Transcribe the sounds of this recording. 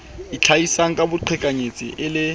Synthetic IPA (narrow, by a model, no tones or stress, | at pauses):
it͡ɬʰaisaŋ̩kʼabʊǃʰɪkʼaɲet͡sʼḭʔɪlɪ